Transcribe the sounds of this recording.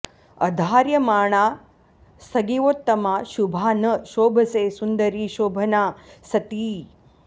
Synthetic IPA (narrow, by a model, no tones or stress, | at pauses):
ɐ̰d̪ʱaːɾjɐmaːɳ̃aː | sɐɡiʋoːt̪ːɐmaːʃubʱaːnɐʃoːbʱɐsesund̪ɐɾiːʃoːbʱɐnaːsɐt̪iː